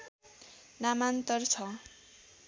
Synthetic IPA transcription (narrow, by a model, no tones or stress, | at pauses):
namant̪ʌrt͡sʰʌ